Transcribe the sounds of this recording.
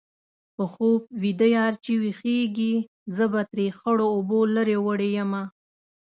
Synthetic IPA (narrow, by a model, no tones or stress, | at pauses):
pəxob̚wid̪əjɑɾt͡ʃiwixeɡi | zəbat̪ɾexəɽoːboləɾewəɽejəma